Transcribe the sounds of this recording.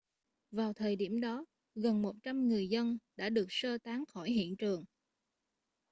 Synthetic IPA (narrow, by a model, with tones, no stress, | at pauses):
vaː˨˩wt̪ʰəː˨˩jɗi˧˩əmɗɔ˨˦ | ɣə˨˩nmo˨˩t̚t͡ɕa˧mŋɨ˨˩əjzə˧nɗa̰ː˧˥ɗɨ˨˩ək̚səː˧t̪aː˨˦ŋxɔ˧˩jɦḭ˧˨ənt͡ɕɨ˨˩əŋ